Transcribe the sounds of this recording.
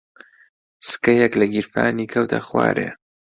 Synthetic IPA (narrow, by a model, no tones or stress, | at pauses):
sɨ̥kɐjɛklɐɡiɾfaːniːkʰɐwt̪ʰa̰xwa̰ːɾʔe